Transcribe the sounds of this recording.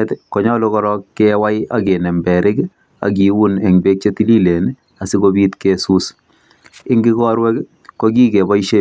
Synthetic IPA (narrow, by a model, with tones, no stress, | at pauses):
ɛtkɔ˨ɲɔ˦lo˦kɔɾɔkːɛwa˦ja̰˦ɡe˨nɛ˨mbɛ˨ɾʔɪ˦k | a̰˨ɡ̬i˨wu˦nɛ˨ŋbe˦k̚t͡ʃe˦ti˦li˦le˨n | a˨sɪ˦kobi˦t̪kesu˦s | ɪ˦ŋɡi˦kɔ˦ɾwɛ˦k | koɡi˦ke˨bɔ˦iʃe˦